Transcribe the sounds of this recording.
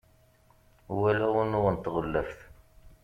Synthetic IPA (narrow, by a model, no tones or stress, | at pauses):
wælæwənʊʁənt̪ːʁəlːəfθ